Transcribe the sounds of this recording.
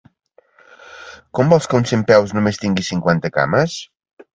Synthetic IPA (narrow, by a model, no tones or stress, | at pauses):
kombɔlˠskəunsempɛwznumest̪iŋɡisiŋkwant̪əka̰məs